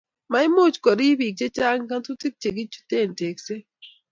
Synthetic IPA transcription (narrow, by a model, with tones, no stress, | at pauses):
ma˨˦ɪ˦mo˦˨t͡ʃkɔ˨ɾi˦bi˨k̚t͡ʃe˦t͡ʃa˦ŋ˦ka˦ntu˦ti˦k̚t͡ʃe˨ɡi˦t͡ʃu̥˦t̪e˦˨nte˨kse˦